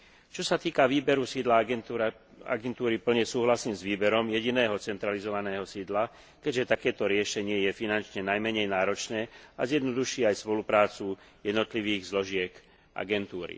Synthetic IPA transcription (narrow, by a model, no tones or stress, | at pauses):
t͡ʃɔsat̪iːkaʋiːbɛɾusiːd̪la | a̰ɡɛnt̪uːɾipl̩ɲɛsuːɦlasiːmzʋiːbɛɾɔmjɛɟinɛːɦɔt͡sɛnt̪ɾalizɔʋanɛːɦɔsiːd̪la | kɛɟʒɛt̪akɛːt̪ɔɾɪɛʃɛɲɪɛjɛfinant͡ʃɲɛnajmɛɲɛjnaːɾɔt͡ʃnɛːazjɛd̪nɔd̪uʃɪɛajspɔlupɾaːt͡su | jɛd̪nɔt̪liʋiːɣzlɔʒɪɛk | ʔa̰ɡɛnt̪uːɾḭ